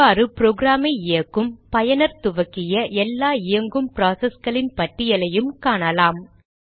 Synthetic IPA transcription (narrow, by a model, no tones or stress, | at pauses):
aːɾɯpɾoːɡɾaːmɐɪɪjɐkːɯmpɐjɐnɐɾt̪ʊʋɐkːɪjɐʔɛlːaːɪjɐŋɡɯmpɾaːsɐsɡɐɭɪnpɐʈːɪjɐlɐjɯmkaːɳɐlaːm